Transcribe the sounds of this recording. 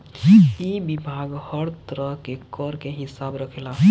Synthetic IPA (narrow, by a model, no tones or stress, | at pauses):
ibibʱaɡhəɽt̪ɾəɦkekəɾkeɦisabɾəkʰela